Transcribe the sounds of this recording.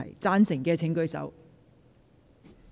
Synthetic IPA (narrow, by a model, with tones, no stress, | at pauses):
ɐ̰˨˩jt͡saː˥nsɪ˨˩ŋkɛː˧t͡sʰɪ˨˥ŋkɵ˧ɥsɐ̰˨˥w